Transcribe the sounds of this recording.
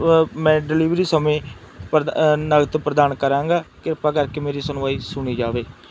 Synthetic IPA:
mɛ̃ːɖɪliːʋɾiːsəmẽː | p̪nəɡt̪pɾəd̪aːnkəɾãːŋɡaːkɪɾpaːkəɾkeːmeːɾiːsənʊʋaːiːsʊɳ̃iːd͡ʒaːʋeː

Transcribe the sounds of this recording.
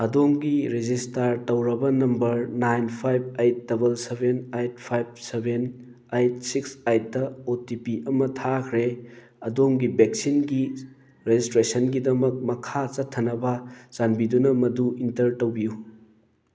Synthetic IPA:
ɐdoŋɡiɾed͡ʒistaɾtɐwɾɐbɐnɐmbɐɾnajnpʰajb̚ejt̚dɐbɐlsebenajt̚pʰajb̚seben | ajt̚siksajt̚dɐotipiʔɐmɐtʰakʰɾe | ɐdomɡibek̚sinɡi | ɾezistɾesɐnɡidɐmɐk̚mɐkʰat͡ʃɐtʰːɐnɐbɐzanbidunɐmɐduintɐɾtɐwbiju

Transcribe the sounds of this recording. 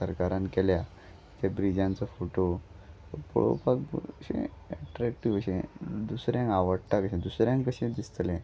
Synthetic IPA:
səɾkaɾãnkɛlja | t̪abɾid͡ʑãnt͡sɔfoʈo | t̪ɔpə̰ɭo̰pakbɕḛ̃ɛʈɾækʈiʋəɕẽd̪usɾjãŋkaʋəɽʈ̪akəɕẽd̪usɾjãŋkəɕẽd̪ist̪lɛ̃

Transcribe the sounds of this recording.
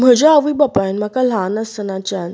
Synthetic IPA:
m̤əd͡ʑaəʋibapanm̤akalãnəsənat͡ɕan

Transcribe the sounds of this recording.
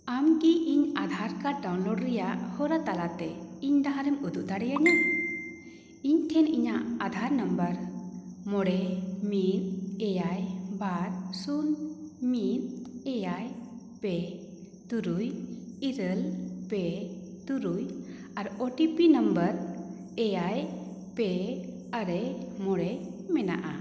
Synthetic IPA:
amkiʔiɲad̪ʱaɾkaɖawnloɖɾɛjaʔhɔɾat̪alat̪ɛiɲd̪aɦãɾɛmud̪uʔd̪aɽɛjaɲa | iɲʈ̪ʰɛniɲaʔad̪ʱaɾnəmbəɾmɔɽɛmiɾɛjajbaɾsunmiɾɛjaj | pɛ | t̪uɾujiɾəlpɛt̪uɾuj | aɾɔʈipinəmbəɾ | ɛjaj | pɛ | aɾɛmɔɽɛmɛna̰ʔa̰

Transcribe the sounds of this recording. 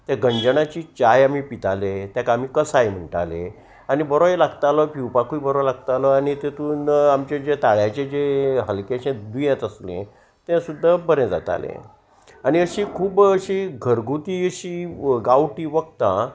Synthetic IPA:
t̪aɡəɲd͡ʑəɳat͡ɕiːt͡ɕajamiːpit̪alet̪jakam̤iːkəsajm̤əɳʈa̰lẽ | anibəɾoelaɡt̪alɔpiwpakʰuibəɾolaɡt̪alɔaɽit̪et̪uːnamt͡ɕed͡ʑet̪aɭjãt͡ɕed͡ʑeɦəlkeɕẽd̪ujãt̪əslḛ̃ | t̪ẽsud̪ʱːabəɾẽd͡za̰t̪a̰lḛ̃ | aɽ̃iəɕiːkʰuːbəɕiːɡʱəɾɡut̪iːəɕiːɡawʈiːʋəɡt̪ã

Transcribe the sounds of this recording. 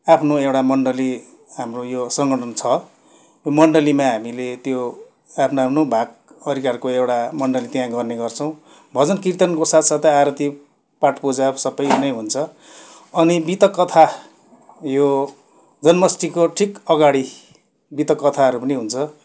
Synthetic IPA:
apʰnoewʈamʌɳɖʌli | ɦamrojosʌŋɡʌʈʰʌnt͡sʰʌ | jomʌɳɖʌlimãɦamilet̪jo | apʰnapʰnobʱaɡʌɾikarkoewɽamʌɳɖʌlit̪jãɡʌrneɡʌrt͡sʰʌw̃ | bʱʌd͡zʌnkirt̪ʌnkosat̪sʌt̪aɾʌt̪i | paʈpod͡zabsʌbʌjnʌjɦunt͡sʰʌ | ʌnibit̪ʌkːʌt̪ʰa | jo | d͡zʌnmʌsʈikoʈʰikʌɡaɽi | bit̪ʌkːʌt̪ʰaʌɾupʌniɦunt͡sʰʌ

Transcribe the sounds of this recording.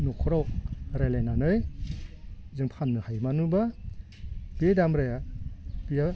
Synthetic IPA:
nɔkʰɔɾɔwk̚ɾelenanɯj | zɯŋpʰannɯhajmanuba | bedamɾajab̥ija

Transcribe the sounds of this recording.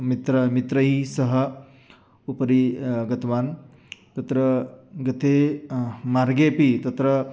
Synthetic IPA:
mit̪ɾɐmit̪ɾɐɦisɐɦɐ | upɐɾiɡɐt̪ɐʋaːn | t̪ɐt̪ɾɐɡɐt̪eːmaɾɡeːpit̪ɐt̪ɾɐ

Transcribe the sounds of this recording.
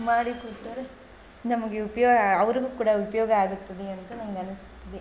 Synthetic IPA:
maːɽikʊʈːuɾ | nɐmɐkːɯʊpːɐjoːɐɐʋɐɾɯkɯkːuːɽɐʊpːɐjoːɣɐaːɣɯt̪ːɐðɯɛnɐkːɯnɐŋɡɐɐnɯsɪ̥t̪ːɐðɯ

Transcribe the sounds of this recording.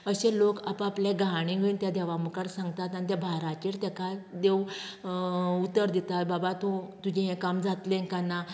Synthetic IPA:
əɕẽlokapəapljeɡaɽ̃ĩɡʱənt̪jad̪ɛʋamukaɽsãŋɡt̪at̪anit̪ɛbʱaɾat͡ɕiɾt̪ɛkad̪ew | ut̪əɾd̪it̪at̪̚babat̪õt̪ud͡ʑiɦɛ̃kamd͡zat̪lẽkana

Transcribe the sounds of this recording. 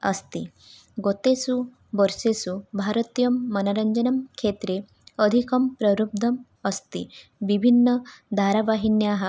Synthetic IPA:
ɐ̰st̪i | ɡot̪esu | ʋɔɾʃesubʱaɾɐt̪ijɐmːɐnɐɾɐɲd͡ʒɐnɐmkʰeːt̪ɾe | əd̪ʱikɐmpɾɐɾub̚d̪ʱɐm | ɐst̪ḭʋibʱinːɐd̪ʱaːɾaʋaɦinjaːɦɐ

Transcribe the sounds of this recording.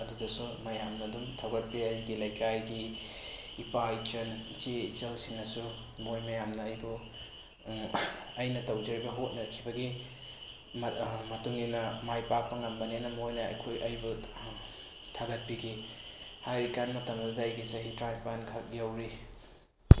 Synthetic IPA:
ɐdudɐsumɐjamnɐdumtʰawɡɐt̚piɐjɡilɐjkʰajɡiː | pait͡ʃɐnit͡ʃeit͡ʃelsiŋnɐsu | mojmɐjamnɐːjbu | ɐjnɐtɐwd͡ʒɐɾibɐɦot̚nɐɾɐkʰibɐɡi | mmɐtuŋinɐmajpak̚pɐŋlɐmbɐnenɐmojnɐ̰jkʰojʔɐjbu | tʰaɡɐt̚piɡʰihajɾikanmɐtɐmɐdudɐːjɡisɐɦitɾajpʰankʰɐkjawɾi

